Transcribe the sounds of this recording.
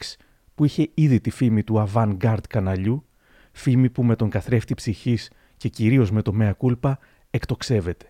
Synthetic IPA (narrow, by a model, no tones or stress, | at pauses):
ks | puiçe̞iðit̪ifimit̪uɐvɐŋɡɐɾd̪̥kɐnɐʎu | fimipume̞t̪o̞ŋɡɐθɾe̞ft̪ipsiçis | ce̞ciɾio̞zme̞t̪o̞me̞ɐkulpɐ | e̞kt̪o̞kse̞ve̞t̪e̥